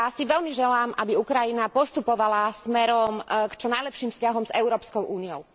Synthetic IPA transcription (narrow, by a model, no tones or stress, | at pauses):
asiʋɛlmiʒɛlaːmʔabiukɾajinapɔst̪upɔʋalasmɛɾɔmkt͡ʃɔnajlɛpʃiːmfscaɦɔmzɛʊɾɔːpskɔʊʔuːniɔʊ